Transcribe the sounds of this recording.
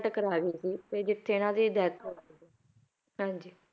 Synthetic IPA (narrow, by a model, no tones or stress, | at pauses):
ʈkəɾaːʋiːsiːt̪eːd͡ʒɪt̪ʰːeːɪnãːsiːd̪ɛːt̪ə | ɦãːɲd͡ʒiː